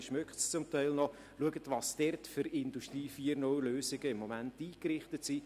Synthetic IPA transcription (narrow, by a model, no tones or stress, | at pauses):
ʃmøkχtst͡sʊmtɛɪlnɔ | luəɡətʋɑːsd̥ɛrtfʏɾɪnduʃtriːfiəɾnʊwløːsɪɡəɪmːɔmæntiːkɾɪχtətsi